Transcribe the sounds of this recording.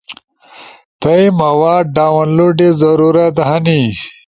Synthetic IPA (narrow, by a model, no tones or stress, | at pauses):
t̪ɐjmɐwaːɖaːwɐnloɖezɐɾuɾɐt̪ɦɐni